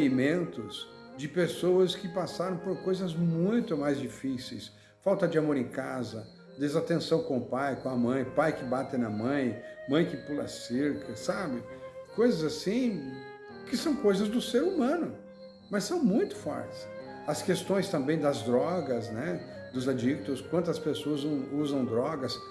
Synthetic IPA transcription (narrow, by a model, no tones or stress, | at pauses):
imẽnt̪ʊsd͡ʒɪpesowɐskɪpasaɾɐ̃w̃poɾkojzɐzmũj̃t̪ʊmajzd͡ʒifisejs | fawt̪ɐd͡ʒɪamoɾẽkazɐ | d̪ezat̪ẽsɐ̃w̃kõʊpajkõɐmɐ̃j̃ʊpajkɪbat̪ẽnɐmɐ̃j̃mɐ̃j̃kɪpulɐ̰seɾkʰɐsabɪkojzɐzasĩ | kɪsɐ̃w̃kojzɐzd̪ʊseɾumɐ̃nʊ | mɐssɐ̃w̃mũj̃t̪ʊ̥fɔ̰ɾtɪ̥sɐskest̪õj̃st̪ɐ̃mbẽj̃d̪ɐzd̪ɾɔɡɐznɛd̪ʊzad͡ʒik̚t̪ʊskwɐ̃nt̪ɐspesoɐzɐ̃w̃uzɐ̃w̃d̪ɾɔɡɐs